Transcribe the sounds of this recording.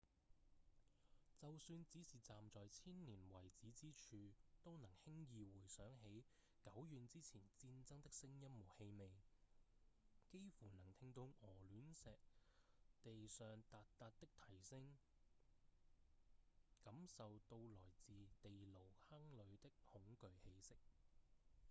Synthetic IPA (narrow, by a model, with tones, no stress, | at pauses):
t͡sɐ˨wsyː˧nt͡siː˨˥siː˨t͡saː˨mt͡sɔː˨jt͡sʰiː˥nniː˨˩nwɐ˨˩jt͡siː˨˥t͡siː˥t͡ʃʰyː˧t̪o˥wnɐ˨˩ŋhɪ˥ŋjiː˨wuː˨˩jsœː˨˥ŋɦe˨˥j | kɐ˨˥wjyː˨˧nt͡siː˥t͡sʰiː˨˩nt͡siː˧nt͡sɐ˥ŋt̪ɪ˥k̚sɪ˥ŋjɐ˥mmo˨˩whe˧jme˨˧j | ke˥jfuː˨˩nɐ˨˩ŋt̪ʰɪ˧ŋt̪o˨˧wʔɔː˨˩lyː˨˥nsɛː˨k̚t̪e˨jsœː˨ŋt̪aː˨t̚t̪aː˧t̚t̪ɪ˥k̚t̪ʰɐ˨˩jsɪ˥ŋ | kɐ˨˥msɐ˨wt̪o˧wlɔː˨˩jt͡siː˨˧t̪e˨jlo˨˩whɐ˥ŋlɵ˨˧ɥt̪ɪ˥k̚hʊ˨˥ŋkɵ˨˧ɥhe˨˧˥jsɪ˥k̚